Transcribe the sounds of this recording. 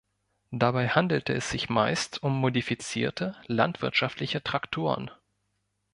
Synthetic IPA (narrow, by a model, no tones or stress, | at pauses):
d̥abaɪhandl̩təɛsz̥ɪçmaɪstʰʊmːodifit͡siːɐtʰəlantv̥ɪɐtʃaftlɪçətʁ̥aktʰoːʁə̰n